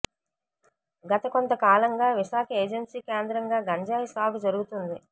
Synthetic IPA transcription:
ɡɐt̪ɐko̞nt̪ɐkaːlɐŋɡaːʋiʃaːkʰɐeːd͡ʒensiːkeːnd̪ɾɐŋɡaːɡɐɲd͡ʒaːjisaːɡud͡ʒɐɾuɡut̪und̪i

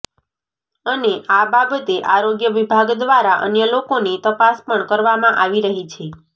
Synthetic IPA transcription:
əneʔababət̪eʔaɾoɡjəʋibʱaɡd̪ʋaɾaʔə̰njəlokonet̪əpaspəɳkəɾʋamãʔaʋiɾəɦit͡ʃʰe

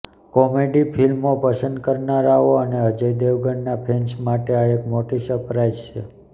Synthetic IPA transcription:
kɔmeɖipʰilmopəsənd̪kəɾnaɾaʋoəneɦəd͡ʒəjd̪eʋɡəɳːapʰent͡ʃmaʈeaekmoʈisəɾpɾajzt͡ʃʰḛ

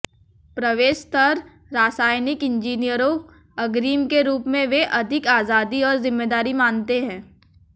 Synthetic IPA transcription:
pɾɐʋeːʃt̪ɐɾː | aːsaːjnɪkɪ̃nd͡ʒiːnijəɾõ | ɐɡɾiːmkeɾuːpmẽʋeʔɐd̪ʱɪkaːzaːd̪iɔːɾzɪ̃mːeːd̪aːɾimaːnt̪eɦɛ̃ː

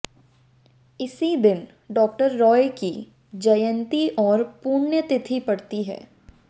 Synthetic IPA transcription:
ɪsid̪ɪn | ɖɔːk̚ʈəɾːɔːeki | d͡ʒɐjə̃nt̪iʔɔːɾpuːɾnjət̪ɪt̪ʰipɐɽt̪iɦɛ̰ː

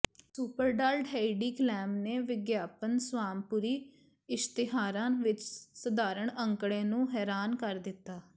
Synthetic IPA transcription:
suːpəɾɖaːlɖɦaːiɖiːklɛːmneːʋɪɡjaːpənsʋaːmpʊːɾiː | ɪst̪ɪɦaːɾãːʋɪt͡ʃsəd̪aːɾəɳəŋkɽeːnũːɦɛːɾaːnkəɾd̪ɪt̪ːaː

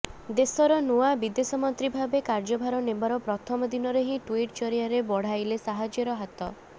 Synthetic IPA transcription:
d̪esɔɾɔnuabid̪esɔmɔnt̪ɾibʱabekaɾd͡ʒɔbʱaɾɔnembaɾɔpɾɔt̪ʰɔmɔd̪inɔɾeɦĩʈuiʈt͡ʃɔɾijaɾebɔɽ̤ajlesaɦad͡ʒjɔɾɔɦat̪ɔ

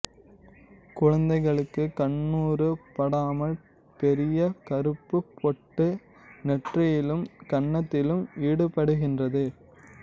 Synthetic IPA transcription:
kʊɻɐnd̪ɐɪɣɐɭɯkːɯkɐɳːuːɾɯpɐɽaːmɐl | pɛɾɪjɐkɐɾɯpːɯpːɔʈːɯ | nɛʈrɐjɪlɯmkɐɳːɐt̪ːɪlɯmiːɽɯpːɐɽɯɣɪndrɐðɯ

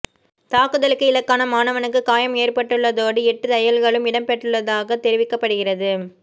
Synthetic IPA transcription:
t̪aːkɯðɐɭɯkːɯɪlɐkːaːnɐmaːnɐʋɐnɯkːɯkaːjɐmeːrpɐʈːɯɭːɐðoːɽɯɛʈːɯt̪ɐjɐlɣɐɭɯmɪɽɐmpɛʈːɯɭːɐðaːɣɐt̪ɛɾɪʋɪkːɐpːɐɽɯɣɪrɐðɯ

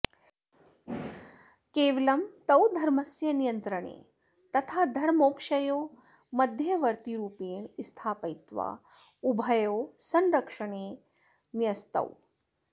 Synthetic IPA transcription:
keːʋɐlɐmt̪ɐwd̪ʱɐɾmɐsjɐnijɐnt̪ɾɐɳḛː | t̪ɐt̪ʰaːd̪ʱɐɾmoːkʃɐjoː | mɐd̪ʱjɐʋɐɾt̪iɾuːpeːst̪ʰaːpɐjt̪ʋa̰ː | ubʱɐjoːsɐnɾɐkʂɐɳ̃eː | njɐst̪ɐ̰w

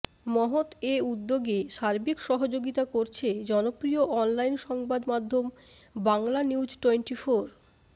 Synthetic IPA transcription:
mɔɦot̪eud̪ːoɡeʃaɾbikʃɔɦod͡ʑoɡit̪akoɾt͡ɕʰed͡ʑɔnopɾioʔɔnlajnʃɔŋbad̪mad̪ʱːom | baŋlaniwd͡ʑʈenʈifoɾ

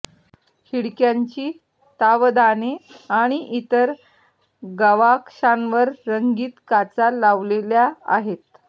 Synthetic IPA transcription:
hiɽkjaɲt͡ɕiː | t̪aʋd̪aneaɽ̃iʔit̪əɾ | ɡəʋakʂanʋəɾːəŋɡiːt̪kat͡salaʋleljaa̰ɦet̪

